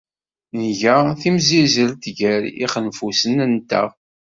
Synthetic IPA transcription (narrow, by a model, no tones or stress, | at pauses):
nəʝæθimzizəɾt̪ʝæɾḭχənfusənənt̪æ̰